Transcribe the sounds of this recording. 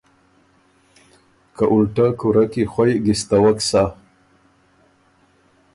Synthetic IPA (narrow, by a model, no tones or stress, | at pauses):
kaʔulʈakuɾakixwajɡist̪awaksa